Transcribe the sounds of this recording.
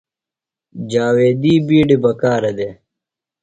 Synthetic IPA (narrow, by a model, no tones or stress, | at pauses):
d͡ʑaːweːd̪iːbiːɖibɐkaːɾɐd̪e